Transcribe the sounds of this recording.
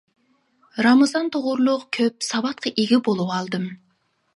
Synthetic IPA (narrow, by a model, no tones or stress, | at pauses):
ɾɑmɑzɑnt̪ʰoʁʊɾlˠʊqkʲʰøp̚sɑbɑt̪̚qʰɑʔeɡʲibolˠuwɑlˠd̪ɨm